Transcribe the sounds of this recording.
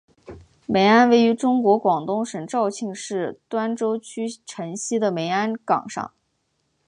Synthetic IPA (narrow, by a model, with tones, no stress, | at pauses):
me˧˥ɪa˥nwe˥˩ɪy˧˥ʈ͡ʂʊ˥ŋkwɔ˧˥kwɑ˨˩ŋt̪ʊ˥ŋʂə˨˩ŋʈ͡ʂɑ˥˧ʊt͡ɕʰi˥˧ŋʂɻ̩˥˩t̪wa˥nʈ͡ʂo˥ʊt͡ɕʰy˥ʈ͡ʂʰə˧˥ŋɕi˥d̪ə˨me˧˥ɪa˥nkɑ̰˨˩ŋʂɑ̰˥˩ŋ